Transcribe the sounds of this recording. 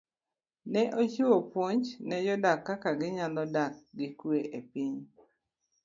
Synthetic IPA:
nɛʔot͡ʃiwopwoɲt͡ʃnɛjɔdakːakaɡɪɲandɔdak̚ɡɪkweʔepɪɲ

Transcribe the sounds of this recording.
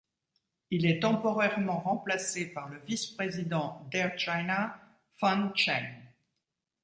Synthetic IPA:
ilɛt̪ɑ̃pɔʁɛʁmɑ̃ʁɑ̃plasepaʁləvispχezid̪ɑ̃d̪ɛʁt͡ʃajna | fɑ̃nt͡ʃan

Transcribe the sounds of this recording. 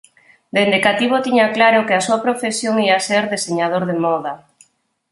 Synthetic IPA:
d̪eind̪ikat̪iβ̞ot̪iɲaklaɾokeasuapɾofesjoŋiaseɾðeseɲað̞oɾðemɔða

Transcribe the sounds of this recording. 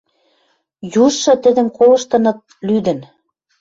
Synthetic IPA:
juʃːɤ̆t̪ɘ̆d̪ə̆mkolɤ̆ʃt̪ɤ̆nɤ̆t̪̚lyd̪ə̆n

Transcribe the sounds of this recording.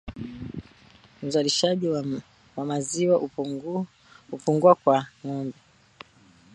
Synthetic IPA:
m̩zaliʃaʄi | wamaziwa | hupuŋɡuakwaŋɔmbɛ

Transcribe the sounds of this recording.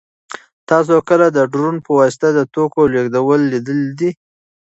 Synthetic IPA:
t̪ɑs̬okəlad̪əɖɾunpəwɑsɪ̥t̪ad̪ət̪okoleɡd̪awəlːid̪əld̪i

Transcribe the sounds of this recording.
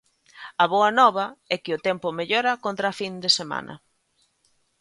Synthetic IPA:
ɐβoɐnɔβ̞ɐɛkɪʊt̪ɛmpʊmeʎoɾɐkont̪ɾafind̪esema̰nɐ̰

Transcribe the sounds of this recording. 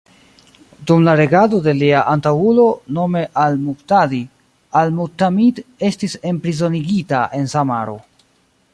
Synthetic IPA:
dumlaɾe̞ɡado̞de̞liaʔantawulo̞no̞me̞ʔalmuktadi | almutamide̞stise̞mpɾizo̞niɡitaʔe̞nsamaɾo̞̰

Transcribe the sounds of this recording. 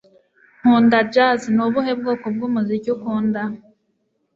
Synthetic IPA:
ŋ̥uːndad͡ʒaznuβuɦeb̚ɡoːkobɡuːmuzicukuːnda

